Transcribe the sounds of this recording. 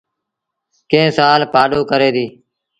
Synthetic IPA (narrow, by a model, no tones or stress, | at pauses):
kẽːsaːlpaːɗoːkəɾeːd̪iː